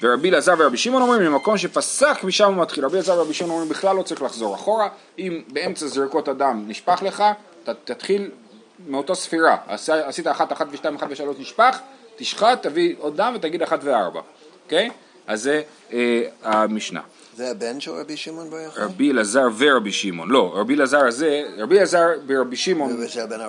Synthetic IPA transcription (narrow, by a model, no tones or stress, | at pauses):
veʁabilazaʁveʁabiʃimo̞no̞mʁimemako̞mʃe̞fasaχmiʃamumat̪χilʁabilazaʁveʁabiʃimonomʁimbiχlalːo̞t͡saʁiχlaχzo̞ʁaχo̞ʁa | imbe̞e̞mt͡saziʁko̞t̪adamniʃpaχle̞χa | t̪at̪at̪χil | meo̞t̪asfiʁaa̰saːsit̪aːχat̪aχat̪veʃtaimaχat̪veʃalo̞ʃniʃpaχt̪iʃχat̪ːaviod̚ːamvet̪aɡid̪aχatveaʁba̰ | okej | aze | eamiʃna̰ | zeabenʃelʁabiʃimonbaʁabilazaʁveʁabiʃimo̞nlo̞ʁabilazaʁazeʁabilazaʁbeʁabiʃimo̞ben